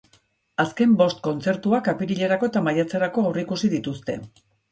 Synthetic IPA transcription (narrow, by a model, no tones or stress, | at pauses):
aske̞mbo̞st̪̚ko̞nt͡se̞ɾt̪uakapiɾiʎe̞ɾako̞et̪amajat͡seɾako̞awrikusiðit̪ust̪e̞̰